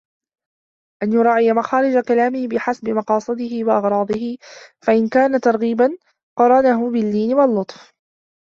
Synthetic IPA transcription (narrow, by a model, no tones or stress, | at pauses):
ʔanjʊɾˤɑːʕɪjamaxaːɾɪd͡ʒakalaːmɪhɪbɪħasbɪmɑqɑːsˤɨd̪ɪɦɪwaʔɑɣɾˤɑːd̪ˤɨhɪfaʔɪnkaːnat̪ɑɾˤɣiːban | qɑɾˤɑnaɦʊbɪlːiːnɪwalːʊt̪ˤf